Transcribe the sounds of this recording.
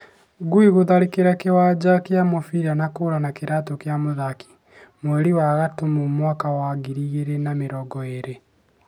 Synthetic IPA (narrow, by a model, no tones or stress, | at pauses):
ɡuiɣoðaɾekeɾakewad͡ʑakeamofiɾanakoɾanakeɾʔatokeamoðaki̥ | mwɛɾiwaɣatomomwakawaɡiɾiɣeɾenameɾɔɡɔeɾe